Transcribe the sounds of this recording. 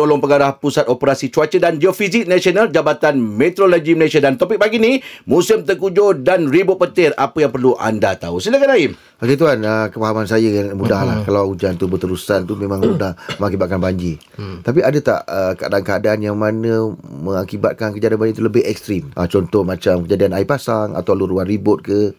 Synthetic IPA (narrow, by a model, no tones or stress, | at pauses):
olɔŋpəɡaɾahpusat̪̚opəɾasit͡ʃuat͡ʃədand͡ʒiofizɪk̚nasionald͡ʒabat̪anmɛ̃t̪ɾoloɡiməlesiadant̪opɪk̚baɡinimũsɪmt̪əkud͡ʒodanribʊʔ̪̚pət̪ɪɾapəjaŋpərluʔa̰ndat̪ausilakanaɪm | akit̪̬uanəkəfaɦamansajəmudahlahkalawud͡ʒant̪ubət̪əɾusant̪umẽmãŋmudahməŋakibat̪̚kanbaɲd͡ʒi | t̪apiadət̪a̰ʔəkəadaːnkəadaːnjaŋmanə̃məŋakibat̪̚kankəd͡ʒadianmbaɲd͡ʒit̪uləbɪɦɛk̚st̪ɾimʔat͡ʃɔnt̪ɔhmat͡ʃamkəd͡ʒadianaipasaŋa̰t̪awluɾuanɾibʊt̪̚kə